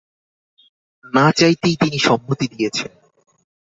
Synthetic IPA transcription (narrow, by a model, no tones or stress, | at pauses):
nat͡ɕajt̪ejt̪iniʃɔmːot̪id̪ijet͡ɕʰen